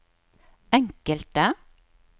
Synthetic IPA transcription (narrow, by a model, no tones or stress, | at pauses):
ɛŋkəlt̪ə